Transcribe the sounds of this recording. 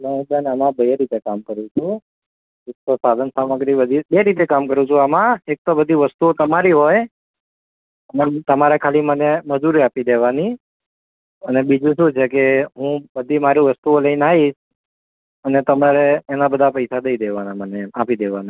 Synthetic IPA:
leɦũd̪anamãbəeɾit̪ekamkəɾũt͡ʃʰũ | ek̚t̪osad̪ʱənsaməɡɾibəd̪ʱibeɾit̪ekamkəɾũt͡ʃʰũamãek̚t̪obəd̪ʱiʋəst̪uot̪əmaɾiɦoj | ənet̪əmaɾekʰaliməneməd͡ʒuɾiapid̪eʋani | ənebid͡ʒũʃũt͡ʃʰekeɦũbəd̪ʱimaɾiʋəst̪uoləinaɦiʃ | ənet̪əmaɾeːnabəd̪ʱapəjsad̪əid̪eʋanaməneapid̪eʋana

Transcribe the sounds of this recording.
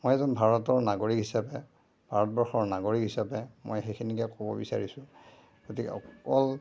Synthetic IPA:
mojɛzɔnbʱaɹɔtɔɹnaɡoɹikɦisapɛ | bʱaɹɔtbɔɹxɔɹnaɡoɹikɦisapɛmo̰jxekʰinikɛkobɔbisa̰ɹisʊ̃ | ɡ̥otikɛ̰ɔkɔl

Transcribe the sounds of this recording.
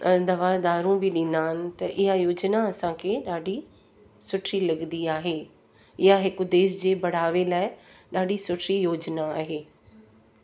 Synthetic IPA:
d̪ɐʋaːd̪aːɾũbʱɪɗɪ̃n̆d̪aːɦɪnɪ̆t̪ɐʔɪɦajoːd͡ʑnaɐsãkʰeɗaːɖʱi | sʊʈʰilɐɡnd̪iaːɦeː | ɪɦaɦɪkʊd̪eːʃ̬d͡ʑeːbɐɽ̤aːʋelaːɪɗaːɖʱisʊʈʰɾijoːd͡ʑnaːɦeː

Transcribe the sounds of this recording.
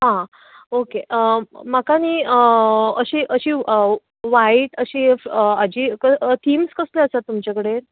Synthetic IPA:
ɦã | okemakaniəəɕiːʔəɕiː | ʋaiʈəɕiːəad͡ʑiːkət̪ʰiːmskəsleəsat̪ːumt͡ɕakəɽeɾ

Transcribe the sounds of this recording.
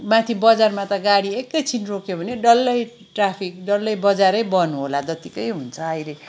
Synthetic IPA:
mãt̪ʰibʌd͡zarmat̪ʌɡaɽiekːʌjt͡sʰinrokjobʱʌneɖʌlːʌj | ʈrapʰik̚ɖʌlːʌjbʌd͡zaɾʌjbʌnuɦolad̪ʌt̪ikʌjɦunt͡sʰʌajle

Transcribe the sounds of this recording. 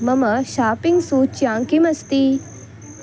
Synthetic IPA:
mɐmɐʃaːpiŋɡsut͡ʃjãːŋkimɐst̪i

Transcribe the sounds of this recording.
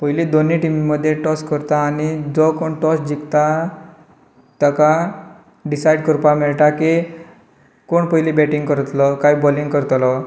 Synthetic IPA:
pəɦilid̪oniʈimiməd̪ʱːjeʈɔskəɾt̪aːnid͡zɔkoɳʈɔsd͡ʑikt̪a | t̪əka | ɖisajɖkəɾpamiɭʈaki | koɳpəɦilibɛʈiŋɡkəɾt̪lɔkaibɔliŋɡkəɾt̪lɔ

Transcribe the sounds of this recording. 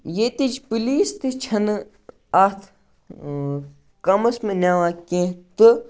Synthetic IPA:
jet̪id͡ʒpiliːst̪ɨt͡ʃʰɐn | ɐt̪ʰ | kɐmɐsmẽnʲaːʋaːkẽːt̪ɨ

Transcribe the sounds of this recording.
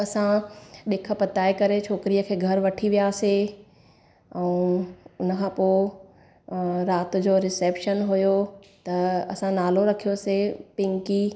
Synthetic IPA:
ɐsãɗeːkʰə̆pɐt̪aːekɐɾet͡ɕʰoːkɪɾijəkʰeːɡʱɐɾʋɐʈʰiʋijaːse | ɛ̃ũʊnəkʰãːpoː | ɾaːt̪ʊ̆d͡ʑoːɾɪseːpʃənɦʊjo | t̪ɐɐsãnaːloɾɐkʰijosepɪ̃ŋki

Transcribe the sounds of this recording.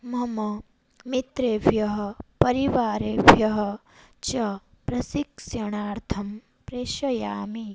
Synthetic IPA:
mɐmɐ | mit̪ɾeːʋʱjɐɦɐpɐɾiʋaːɾeːʋʱjɐɦɐ | t͡ʃɐ | pɾɐsiksjɐɳaːɾt̪ʰɐm | pɾeːʃɐjaːmi

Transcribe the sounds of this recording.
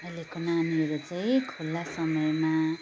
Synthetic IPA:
ʌlekonaniʌɾut͡sãĩkʰulːasʌmʌjma

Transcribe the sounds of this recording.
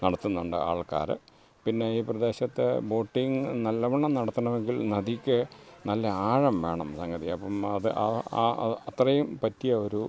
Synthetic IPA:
nɐɽɐt̪ːunːuɳɖɨ̰a̰ːɭka̰ːɾɨ̰ | pinːe̞iːprɐd̪e̞ːɕɐt̪ːɨ̰bo̞ːʈːiŋnɐlːɐʋɐɳːɐmnɐɽɐt̪ːɐɳɐʋe̞ŋɡilnɐðikʲːɨnɐlːɐaːɻɐmʋe̞̰ːɳɐ̰msɐŋɡɐðiɐpːɐmɐðɨʔɐ̰ | ɐt̪rɐjumpɐtːijɐo̞ɾu

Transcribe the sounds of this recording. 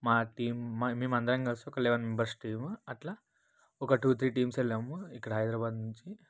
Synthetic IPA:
maʈiːmːamiːmand̪ɾãŋɡaɭsokəlːeʋanmembəɾsʈiːmaʈ̪la | okaʈut̪ʰɾiːʈiːmselaməikɽajd̪ɾabad̪muɲt͡ɕi

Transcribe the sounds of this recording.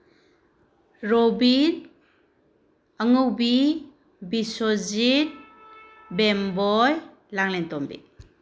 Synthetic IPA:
ɾobin | əŋɯwbi | bisozit̚ | bembɔj | laŋlentɔmbḭ

